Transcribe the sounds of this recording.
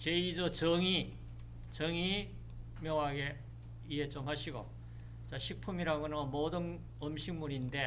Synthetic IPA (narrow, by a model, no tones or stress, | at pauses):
t͡ɕeid͡ʑʌt͡ɕʌŋi | t͡ɕʌŋi | mjʌŋɦaɡe̞ | iet͡ɕ͈ʌŋɦaɕʰiɡo̰ | t͡ɕaɕʰik̚pʰumiɾaɡonʌmodɯn | ʌmɕʰiŋmuɾinde̞